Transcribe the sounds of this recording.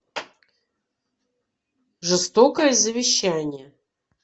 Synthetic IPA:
ʐɨst̪okəjəzəvʲɪɕːanʲɪjə

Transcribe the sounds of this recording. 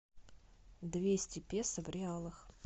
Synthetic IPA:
d̪vʲesʲtʲɪpʲesəvɾʲɪalˠəx

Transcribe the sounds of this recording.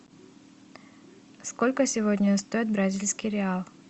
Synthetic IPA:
sko̞lʲkəsʲɪvodʲnʲəst̪o̞ɪt̪̚bɾɐzʲilʲskʲɪjɾʲɪalˠ

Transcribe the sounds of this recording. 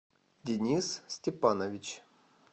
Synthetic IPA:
dʲɪnʲissʲtʲɪpanəvʲɪt͡ɕ

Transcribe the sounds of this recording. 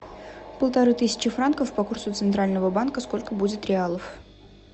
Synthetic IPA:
pəlˠt̪ɐɾɨt̪ɨsʲɪ̥t͡ɕɪfɾankəfpɐkursʊt̪sɨnt̪ɾalʲnəvəbankəsko̞lʲkəbudʲɪt̪ɾʲɪalˠəf

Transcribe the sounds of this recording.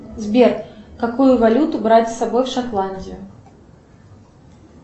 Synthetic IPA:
zʲbʲɛrkakujʊvalʲut̪ʊbɾad͡zʲzsabɔjwʂat̪lˠanʲdʲijʊ

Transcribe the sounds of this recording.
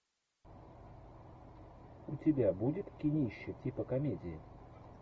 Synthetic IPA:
ut͡sʲɪbʲabud͡zʲɪt̪kʲinʲiɕːɛtʲipəkamʲed͡zʲɪi

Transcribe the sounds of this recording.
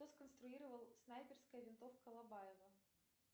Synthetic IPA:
t̪oskənst̪ɾʊiɾəvəlˠsnajpʲɪrskəjəvʲɪnt̪ofkəlˠɐbajɪvə

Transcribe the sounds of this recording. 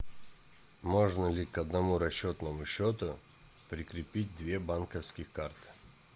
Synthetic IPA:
mo̞ʐnəlʲɪkɐd̪nɐmuɾɐɕːot̪nəmʊɕːot̪ʊ | pɾʲɪkɾʲɪpʲit̚ʲd̪vʲe̞bankəfskʲɪxkart̪ɨ̥

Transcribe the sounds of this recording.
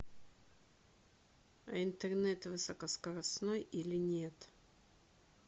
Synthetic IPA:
ɐɪnt̪ɛrnɛt̪vɨsəkəskəɾɐsnojilʲɪnʲe̞t̪

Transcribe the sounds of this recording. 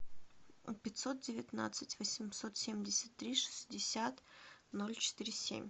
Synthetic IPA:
pʲɪt̪ʲso̞t̪̚dʲɪvʲɪt̪na̰t̪sɨtʲvəsʲɪmʲsot̪sʲemʲdʲɪsʲə̥t̪ːɾʲiʂɨ̥sʲdʲɪsʲat̪nolʲt͡ɕɪ̥t̪ɨɾʲɪsʲḛmʲ

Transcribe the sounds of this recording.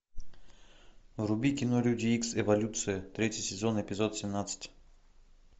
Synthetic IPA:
vrʊbʲikʲɪnoɾʲudʲiiksɛvɐlʲut̪sɨjət̪ɾʲetʲɪjsʲɪzonɛpʲɪzot̪sʲɪmnat̪sɨ̥tʲ

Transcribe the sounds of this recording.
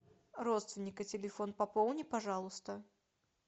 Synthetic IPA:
rot̪st̪vʲɪnʲɪkɨtʲɪlʲɪfonpɐpolˠnʲɪpɐʐɑlˠʊst̪ə

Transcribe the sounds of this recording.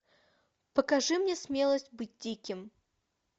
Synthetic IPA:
pəkɐʐɨmnʲesmʲe̞lˠəsʲtʲbɨt̚ʲdʲikʲɪm

